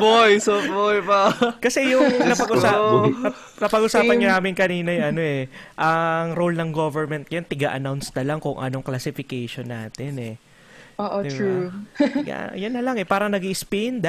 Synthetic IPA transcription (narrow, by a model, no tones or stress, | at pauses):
bojsobojpɐkɐsɛjʊŋnɐpɐɡʔʊsaːɐ | kɐpɐɡʔʊsaːpɐnɲɐnaːmɪnkɐniːnɐjʊʔɐno̞ɛʔɐŋɾolnɐŋɡovɛɹmɛnt̪̚kɐjant̪ɪɡa̰ʔɐ̰nawnst̪ɐlaŋkʊŋʔɐ̰no̞ŋklɐsɪfɪkejʃonːa̰ːt̪ɪnɛ | ʔoʔouja̰jɐnːɐlɐŋɛpaːɾɐŋnɐɡiʔspɛnd̪